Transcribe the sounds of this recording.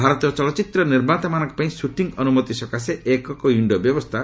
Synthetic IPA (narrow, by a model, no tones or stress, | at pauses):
bʱaɾɔt̪ijɔt͡ʃɔlɔt͡ʃit̪ɾɔniɾbat̪amanɔ̃ŋkɔ̥paĩsuʈiŋɔnumɔt̪isɔkaseekɔkɔiɳɖɔbjɔbɔst̪ʰa